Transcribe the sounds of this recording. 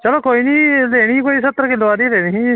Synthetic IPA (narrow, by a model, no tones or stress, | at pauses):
t͡ʃəloːkoːiːniːleːɽ̃iːkoːiːsət̪ːəɾkɪlːoːaːɾiːleːɽ̃iːiː